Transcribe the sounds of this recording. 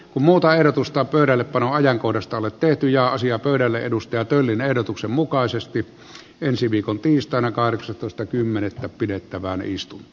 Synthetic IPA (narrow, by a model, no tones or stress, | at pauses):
kummuːt̪ɑehɾot̪ust̪ɑpøˑyɾælːeppɑnoɑjɑŋkohdɑst̪ɑolet̪t̪eht̪yjɑːɑsiɑpøˑyɾælːḛʔedust̪ɑɑt̪ølːinehdot̪uksemmukɑˑesest̪i | ʔensiʋiːkont̪iːst̪ˑɑˑenɑkɑhreksɑt̪oˑest̪ɑkymːenet̪ːæppidet̪ːæʋæænḛist̪unː